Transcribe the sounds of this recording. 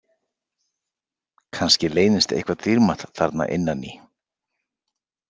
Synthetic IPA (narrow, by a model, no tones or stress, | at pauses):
kʰanscɪleːjnɪst̪ḛhkvat̪ʰiɾmat̪θa̰ɾt̪na̰ʔɪ̰nːani